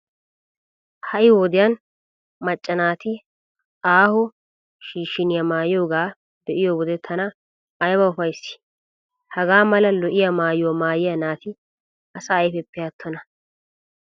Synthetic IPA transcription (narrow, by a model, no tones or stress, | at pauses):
hɐʔɪwɔd̪ɪjɐn | mɐt͡ʃʼːɐnaːt̪ɪ | aːhʊ | ʃiːʃːɪnɪjɐmaːjɪjoːɡaː | d̪ɛʔɪjoːwɔd̪ɛt̪ʰɐnɐ | ɐjbɐʊfɐjsːɪ̥ | hɐɡaːmɐlɐlɔʔɪjɐmaːjwomaːjɪjɐnaːt̪ɪ | ɐsɐːjfɛpːɪjaːt̪ʰːɔnɐ